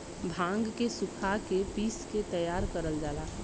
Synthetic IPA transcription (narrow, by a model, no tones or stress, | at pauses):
bʱãːŋɡkesʊkʰakepiːsket̪əjaːɾkəɾəld͡ʒaːlaː